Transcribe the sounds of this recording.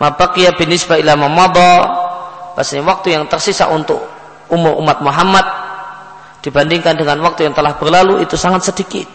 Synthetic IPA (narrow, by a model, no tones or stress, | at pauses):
mʔapakijabinisbailamamɔd̪ɑ | b̥asaɲawak̚t̪ujaŋt̪ərsisa̰ʔunt̪ʊk̚ | umʊrṵmːat̪̚muɦamːat̪̚ | d̥ibandiŋkandəŋanwak̚t̪ujaŋt̪əlahbərlaluʔit̪usaŋat̪̚sədikɪ̰t̪̚